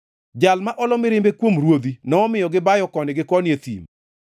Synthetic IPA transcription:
d͡ʒalmaʔɔlɔmɪɾɪmbekwomɾwod̪inɔːmɪjɔɡɪbajɔkɔnɪɡɪkɔnjet̪ḭm

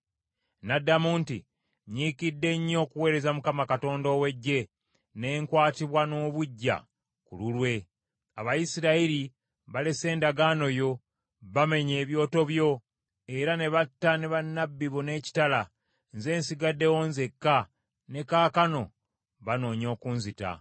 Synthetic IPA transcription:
nadːamuːntḭ | ɲiːkidːe̞ɲːo̞ːkuwe̞ːɾe̞zamukamakato̞ːndoːwe̞ɟːe̞ | ne̞ːŋkwaːtiβwano̞ːβuɟːa̰ | kululwe̞ | aβajisiɾaiɾi | βale̞se̞ːndaɡaːno̞jo̞ | βame̞ɲe̞ːβjo̞ːto̞βjo̞ | e̞ɾane̞βatːane̞βanːabːiβone̞ːci̥tala | nze̞ːnsiɡadːe̞wonze̞kːa | ne̞kaːkano̞̰ | βano̞ːɲo̞ːkuːnzita̰

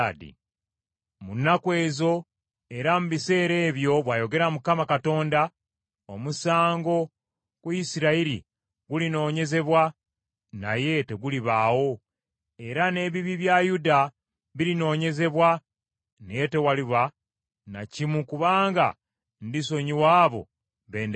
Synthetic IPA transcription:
dḭ | munːakwe̞ːzo̞ | e̞ɾamuβise̞ːɾe̞ːβjo̞βwaːjo̞ɡe̞ɾamukamakato̞ːnda | omusaːŋɡo̞ | kuisiɾaiɾḭ | ɡulino̞ːɲe̞ze̞βwa | na̰je̞te̞ɡuliβaːwo̞ | e̞ɾane̞ːβiβiβjajuda | βilino̞ːɲe̞ze̞βwa | nete̞waliβa | na̰cimukuβaːŋɡa̰ | ndiso̞ɲiwaːβo̞̰ | βeːnd

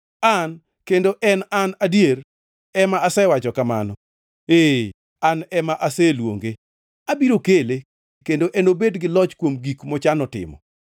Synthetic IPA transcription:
an | kendoʔɛnanadjeɾ | ɛmaasɛwat͡ʃɔkama̰nɔ | e | anɛmaʔaselwo̰ŋɡe | abiɾokele | kendoʔɛnobedɡɪlɔt͡ʃkwomɡikmɔt͡ʃanɔtɪ̰mɔ̰

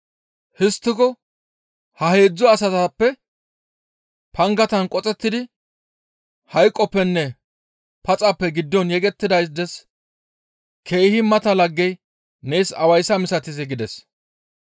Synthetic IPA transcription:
hɪst̪ːɪkɔ | hɐhe̞ːd͡zːɔɐsɐt̪ɐpːɛ | pʰɐŋɡɐt̪ɐnkʼɔt͡sʼɛt̪ːɪd̪ɪ | hɐjkʼːɔpːɛnːɛ | pɐt͡sʼɐpːɛɡɪd̪ːɔnjɛɡɛt̪ːɪd̪ɐjs̬d̪ɛs | kʰe̞ːhɪmɐt̪ɐlɐɡːɛj | nejsɐwɐjsɐmɪsɐt̪ɪzɛɡɪd̪ɛs

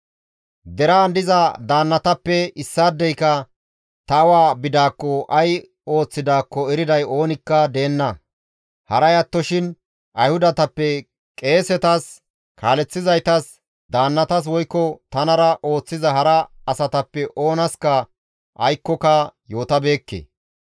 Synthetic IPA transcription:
d̪ɛɾaːnd̪ɪzɐd̪aːnːɐt̪ɐpːɛɪsːaːd̪ːɛjkːɐ | t̪ɐwaːbɪd̪aːkːɔʔɐj | o̞ːt͡sːɪd̪aːkːɔɛɾɪd̪ɐjo̞ːnɪkːɐd̪e̞ːnːɐ | hɐɾɐjɐt̪ːɔʃɪn | ʔɐjhʊd̪ɐt̪ɐpːɛ | kʼe̞ːsɛt̪ɐs | kʰaːlɛt͡sːɪzɐjt̪ɐs | d̪aːnːɐt̪ɐs̬wɔjkːɔt̪ɐnɐɾɐʔo̞ːt͡sːɪzɐɦɐɾɐɐsɐt̪ɐpːɛʔo̞ːnɐskɐ | ʔɐjkːɔkɐjo̞ːt̪ɐbe̞ːkːḛ

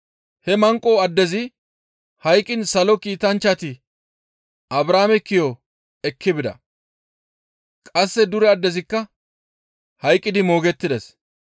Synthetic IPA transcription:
hɛmɐŋkʼoːɐd̪ːɛzɪ | hɐjkʼːɪnsɐlɔkiːt̪ɐnt͡ʃːɐt̪ɪ | ʔɐbɾaːmɛkːɪjo | ɛkːɪbɪd̪ɐ̰ | kʼɐsːɛd̪ʊɾɛɐd̪ːɛzɪkːɐ | hɐjkʼːɪd̪ɪmo̞ːɡɛt̪ːɪd̪ɛs

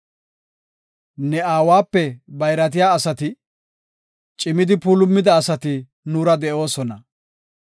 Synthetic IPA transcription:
nɛaːwaːpːɛbɐjɾɐt̪̬ɪjaːɐsɐt̪ɪ | t͡ʃʼɪmɪd̪ɪpuːlʊmːɪd̪ɐːsɐt̪ɪ | nuːɾɐd̪ɛʔo̞ːsɔnɐ

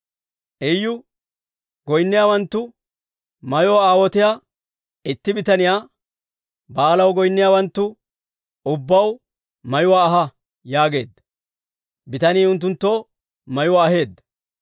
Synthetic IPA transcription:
ʔɛjːʊ | ɡɔjnːɪjaːwɐnt̪ːʊ | mɐjʊwaaːwɔt̪ɪjaː | ɪt̪ːɪbɪt̪ɐnɪjaː | baːlɐwɡɔjnːɪjaːwɐnt̪ːʊ | ʊbːɐw | mɐjʊwaːɦɐ | jaːɡe̞̰ːd̪ɐ | bɪt̪ɐniːʊnt̪̬ːʊnt̪ːo̞ː | mɐjʊwaːɦe̞ːd̪ːɐ

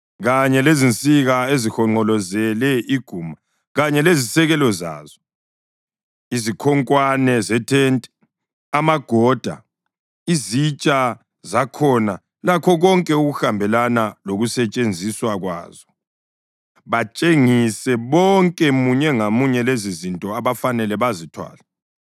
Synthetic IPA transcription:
ɣaɲɛlezint͡sʼiɣaezixɔŋ͡ǃɔlɔzɛlɛʔiɡ̥ʱuːma | ɣaɲɛlezisɛɣɛlɔza̰ːzɔ | izikʰɔŋkʼwanɛzɛtʰɛntʼɛ̥ | amaɡ̥ʱɔd̥ʱa̰ | izit͡ʃʼa | zakʰɔna | lakʰɔɣɔŋkʼɛuɣuxambʱɛlanaloɣusɛt͡ʃʼend͡zʱiswaɣwa̰ːzɔ | βat͡ʃʼeŋisɛβɔŋkʼɛmuɲɛŋamuɲɛlezizintʼɔaβafanɛlɛβazitʰwa̰ːlɛ

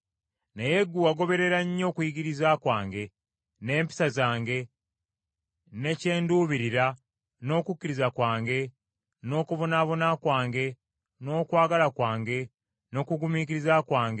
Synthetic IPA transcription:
neje̞ɡːuaɡo̞βe̞ɾe̞ɾaɲːo̞ːkwiɡiɾizaːkwaːŋɡe̞ | ne̞ːmpi̥sazaːŋɡe̞ | ne̞ce̞ːnduːβiɾiɾa | no̞ːkukːiɾizakwaːŋɡe̞ | no̞ːkuβonaβo̞nakwaːŋɡe̞ | no̞ːkwaːɡalakwaːŋɡe̞ | no̞ːkuɡumiciɾizakwaːŋɡe

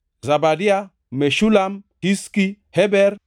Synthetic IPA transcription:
zabadia | meʃulamtiski | hɛbɛɾ

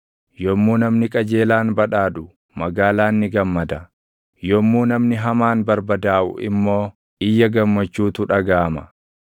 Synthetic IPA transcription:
jɔmːuːnɐmnɪkʼɐd͡ʒeːlaːnbɐᶑaːᶑʊ | mɐɡaːlaːnːɪɡɐmːɐd̪ɐ | jɔmːuːnɐmnɪɦɐmaːnbɐɾbɐd̪aːʔʊ̰ʔɪ̰mːo̞ː | ʔɪjːɐɡɐmːɐt͡ʃːuːt̪ʊᶑɐɡaːmɐ

